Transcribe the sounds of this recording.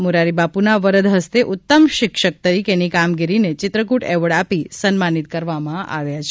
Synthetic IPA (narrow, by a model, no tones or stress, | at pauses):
muɾaɾibapunaʋəɾəd̪ɦəst̪eʔʊtt̪ːəmʃɪkʃək̚t̪əɾikenikamɡiɾinet͡ʃɪt̪ɾək̬uʈɛʋəɭapisənmanit̪kəɾʋamãa̰ʋjat͡ʃʰe